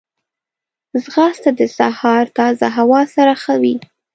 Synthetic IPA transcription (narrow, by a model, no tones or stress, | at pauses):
zɣɑst̪ad̪əsahɑɾt̪ɑzaɦawɑsaɾaxawi